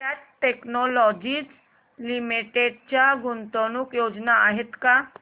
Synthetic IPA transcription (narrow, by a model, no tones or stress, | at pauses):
aʈeknɔlɔd͡ʑit͡s | limiʈeɖt͡ɕjaɡunt̪oñukjod͡ʑnaːɦet̪ka